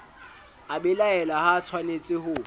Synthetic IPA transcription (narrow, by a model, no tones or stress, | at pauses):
abɛlaɛlahat͡sʰwanet͡sʼɪhʊ